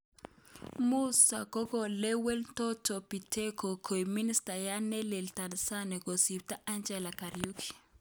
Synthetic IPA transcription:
mu˦sa̰˨kɔ˦kɔ˨lɛ˦wɛ˦ltɔ˦tɔ˨pi˨tɛ˦ko˨kʰo˨jmi˦ni˦sta˨ja˦nɛ˦lɛ˨lta˨nsa˦nɛ˨ko˨si˨p̚ta˦ʔa˦nd͡ʒɛ˨la˨ka˨ɾjukʰi̥˨

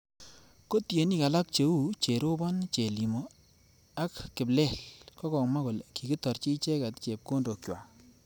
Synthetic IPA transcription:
ko˦tje˨ni˦ka˨la˦k̚t͡ʃe˨u˦t͡ʃe˨ɾo˦bɔ˦nt͡ʃe˨li˨mɔ˨ | a˦kːɪ˨blɛ˦˨lkɔ˦kɔ˨ŋma˦ko˨lki˨ɡɪ˦tɔ˨ɾt͡ʃi˦t͡ʃe˦ka˨tt͡ʃe˨p̚ko˦ndo˨kjwa˨

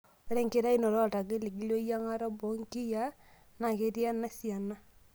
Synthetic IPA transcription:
o˨˦ɾɛ˦ŋke˦ɾa˦i˦nɔ˨ɾɔ˦˨ta˨ɡe˦li˨ɡi˦lo˦ja˦ŋa˦ɾa˦bo˨˦ŋ˦ki˦ja˦ | na˨ke˦ɾi˦a˦na˦si˨a˨na˦

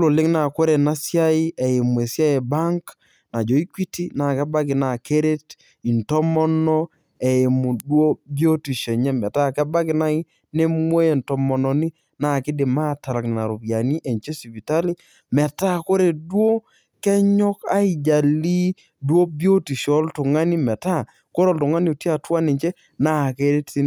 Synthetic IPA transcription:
lo˨lɪ˦ŋna˨ko˦ɾe˨na˦sja˦ɪ˦ɛ˨e˨mu˨e˨sja˦e˨ba˦ŋk | na˨d͡ʒo˨i˦kwi˦ti˦na˨kɛ˦ba˦kɪ˨na˨ke˦ɾe˦t | i˨ntɔ˦mɔ˦nɔ˦ | ɛ˨e˨mu˨dwo˦bjo˦ti˨ʃe˨ɲɛ˦mɛ˨ta˦kɛ˦ba˦kɪ˨na˦i˦ | ne˦mwo˦je˨ntɔ˨mɔ˨nɔ˨ni˦ | na˦˨kɪ˦de˨ma˦˨ta˨ɾa˨kna˨ɾu˨pja˨ni˦ʔe˨ɲt͡ʃe˦si˨bi˨ta˦li˦ | mɛ˨ta˦ko˦ɾe˨dwo˦ | kɛ˦ɲɔ˦ka˦i˨d͡ʒa˨li˦ | dwo˦bjo˦ti˨ʃɔ˦ltʊ˨ŋa˦ni˦mɛ˨ta˦ | ko˦ɾɔ˦˨ltʊ˨ŋa˦ni˦o˨ti˦a˨twa˦ni˨t͡ʃe˦ | na˦˨ke˦ɾe˦ti˦

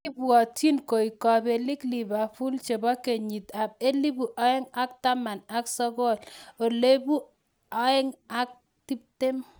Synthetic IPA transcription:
kɪ˦bwɔ˨ti˦nko˨i˨kɔ˨be˨li˦kli˨ba˨fu˦lt͡ʃe˨bɔ˦ke˨ɲi˨ta˨b̚e˦li˦bu˨ʔa˦ɛ˦ŋa˦k̚ta˦ma˨na˦ksɔ˦ɡɔ˦˨lo˨le˦bu˦ | a˦ɛ˦ŋa˦k̚ | ti˦p̚te˦m

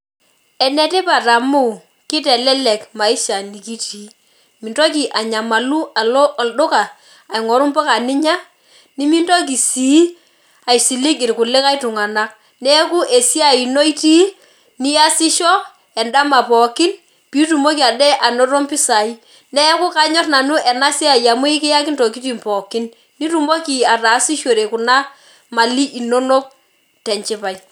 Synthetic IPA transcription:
ɛ˨nɛ˦tɪ˦pa˨ta˨mu˦ | kɪ˦tɛ˨lɛ˦lɛ˨kma˨ɪ˦ʃa˨ni˨ki˦ti˨˦ | mɪ˨ndɔ˦k̬i˨ʔa˨ɲa˨ma˨lu˦a˨lɔ˦˨ldʊ˦kaː˨ | i˨ŋɔ˨ɾʊ˦mpɔ˦ka˨nɪ˦ɲa˦ | ni˦mi˦ndɔ˦k̬i˨si˨˦ | a˨jsi˨lɪ˦kɪ˨ɾkʊ˨lɪ˦ka˦jtʊ˨ŋa˨na˦k̚ | nɛ˦ku˦ʔe˨si˦a˨i˨no˦i˦ti˦ | ni˦a˦sɪ˦ʃɔ˦ | ɛ˨nda˦ma˨pɔ˨kɪ˦n | pi˨˦tu˨mo˦ki˨a˨dɛ˦ʔa˨no˦ɾo˦mpɪ˦sa˨i˦ | nɛ˦ku˦ka˦ɲɔ˦tna˨nu˦ʔɛ˨na˦si˦a˨ja˨mu˦i˦kɪ˦ja˦kɪ˦nto˨ki˦ti˨mpɔ˨kɪ˦nː | i˦tu˨mo˦ki˨a˨ta˨˦si˦ʃwo˨ɾe˨ku˨na˦ | ma˨li˦ʔi˨no˦no˦k̚ | tɛ˨nt͡ʃɪ˦pa˨j

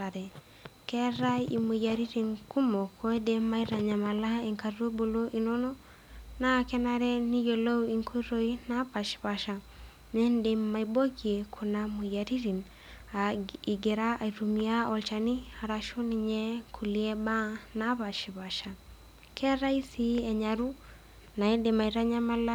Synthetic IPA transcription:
a˨ɾɛ˨ | kɛ˦ɾa˦i˨mu˨ja˨ɾi˦ɾi˨nku˦mo˨kʰo˦e˦de˦mːa˦i˦ɾa˨ɲa˨ma˨la˦e˨ŋka˨ɾo˦bo˨lo˦ʔi˨no˦nɔ˦ | na˦kɛ˦na˦ɾɛ˦ni˦jo˨lo˦wi˨ŋkʰo˦ɾo˦i˦na˦pa˨ʃi̥˨βa˨ʃa˨ | nɛ˦nde˨mːa˨ibo˦ɡi˨e˨kʰu˨na˦mu˨ja˨ɾi˦ɾi˨n | ai˨ɡɛ˨ɾa˦a˨i˨ɾu˨mia˦ɔ˨lt͡ʃa˨ni˦a˨ɾa˨ʃo˦ni˨ɲɛ˦kʰu˨li˦ɛ˦ba˦na˦βa˨ʃi˨βa˨ʃa˨ | kʰɛ˦ɾa˦i˦si˦ɛ˨ɲa˨ɾu˦ | na˨ɛ˦dɛ˨ma˨i˨ɾa˦ɲa˦ma˦la˦

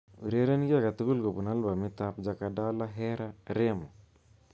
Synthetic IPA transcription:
u˨ɾe˦ɾe˦n˦ɡi˦a˦˨ka˨t̪u˦ku˦lko˨pu˨na˦lba˨mi˦t̪a˦pd͡ʒa˨kada˦la˦ɦɛ˦ɾa˦ɾe˦mɔ˨

